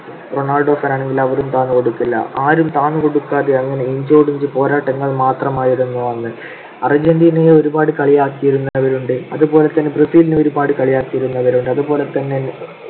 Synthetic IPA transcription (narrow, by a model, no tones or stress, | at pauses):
roɳaːlɖo̞ːfɐnaːɳe̞ŋɡilɐʋɐɾumt̪aːnuko̞ɽukːilːɐ̰ʔaːɾumt̪aːnuko̞ɽukːaːðeɐŋːɐne̞iɲd͡ʑoːɽiɲd͡ʑɨpo̞ːɾaːʈːɐŋːɐɭmaːt̪rɐmaːjiɾunːuɐnːɨ | ɐrd͡ʑend̪ineoɾubaːɽɨkɐɭijaːkːijiɾunːɐɐʋɐɾuɳɖɨɐðubo̞ːle̞t̪ːɐnːe̞prefiːlineoɾubaːɽɨkɐɭijaːkːijiɾunːɐʋɐɾuɳɖɨɐðubo̞ːle̞t̪ɐnːe̞